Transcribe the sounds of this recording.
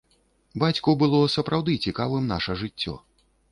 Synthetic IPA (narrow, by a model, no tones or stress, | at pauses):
bat͡sʲkubɨlˠɔsɐpɾawd̪ɨt͡sʲikavɨmna̰ʂɐʐɨt͡sʲːɔ̰